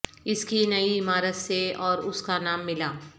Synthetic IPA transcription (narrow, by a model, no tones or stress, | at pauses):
ɪskinɐiɪmaːɾət̪seɔːɾʊskanaːmːɪlaː